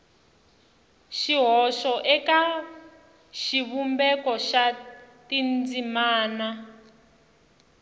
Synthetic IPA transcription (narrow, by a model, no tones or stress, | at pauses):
ʃiɦɔʃɔʔɛka | ʃiβumbɛkɔʃatind͡zimaːna